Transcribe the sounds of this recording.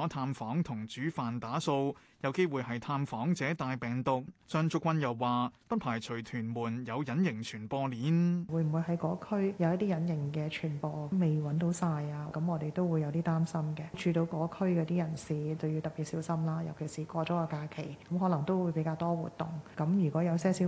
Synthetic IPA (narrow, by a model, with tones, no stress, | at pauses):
t̪ʰaː˧mfɔː˨˥ŋt̪ʰʊ˨˩ŋt͡ʃyː˨˥faː˨nt̪aː˨˥so˧w | jɐ˨˧wke˥jwuː˨˧jɦɐ˨jt̪ʰaː˧mfɔː˨˥ŋt͡sɛː˨˥t̪aː˨˧jpɛː˨˩ŋt̪ʊ˨k̚sœː˧ŋt͡sʊ˧kʷːwɐ˧njɐ˨wːaː˨pɐ˥t̚pʰaː˨˩jt͡ʃʰɵ˨˩t̪ʰyː˨˩nmuː˨˩njɐ˨˧wjɐ˨˥njɪ˨˩ŋt͡ʃʰyː˨˩npɔː˧liː˨˥nwuː˨˧jm̩˨˩wu˨˧jɦɐ˨˥jkɔː˨˧˥kʰɵ˥ɥjɐ˨˧wjɐ˥t̪̚iː˥jɐ˨˥njɪ˨˩ŋkɛː˧t͡ʃʰyː˨˩npɔː˧me˨˩jwɐ˨˥nt̪o˨˧˥wsaː˧jaː˧kɐ˨˥mŋɔː˨˧t̪e˨jt̪o˥wu˨˧jɐ˨˧wt̪̬iː˥t̪aː˥msɐ˥mkɛ˧t͡ʃʰyː˧t̪o˨˧wkɔː˨˧˥kʰɵ˥ɥkɔː˧t̪iː˥jɐ˨˩nsiː˨t͡sɐ˨wji˧wt̪ɐ˨˩piː˨t̚siː˨˥wsɐ˥mlaː˥jɐ̰˨˩wkʰe˨˩jsiː˨˩kʷɔː˧t͡ʃɔː˨˥kɔː˧kaː˧kʰe˨˩jkɐ˨˦mɦɔː˨˥lɐ˨˩ŋt̪o˥wuː˨˧jpe˨˥jkaː˧wt̪ɔː˥wṵ˨t̚t̪ʊ̰˨˩ŋkɐ˨˥mjy˨˩kʷɔː˨˥jɐ˧wsɛː˥si˨˥